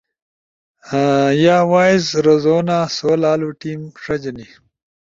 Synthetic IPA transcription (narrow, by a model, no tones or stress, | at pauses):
jaːwaːizɾɐzoːnaːsoːlaːluʈiːmʂɐd͡ʑɐni